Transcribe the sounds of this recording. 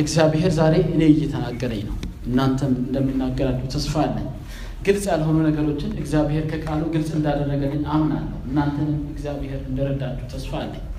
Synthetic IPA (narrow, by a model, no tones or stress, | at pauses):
ʔɨɡzjaβɦeɾzaɾe̞ʔɨneɨjːɛt̪ʰənaɡːəɾəɲnəwʔɨnːant̪ʰənɨnd̪əmːinːaɡːəɾat͡ʃːɛht̪ʰəsfaalːə̰ɲː | ɡ̥ɨlsʼjalɦo̞nunəɡəɾo̞t͡ʃːɪnɨɡzjaβhe̞ɾkʰəkʼaluɡɨlsʼɨnd̪ad̪ərːəɡəlːɨɲamnalːəhʔɨnːant̪ʰənnɨɡzjaβheɾɨnd̪əɾəd̪at͡ʃːɛht̪ʰəsfaalːəɲː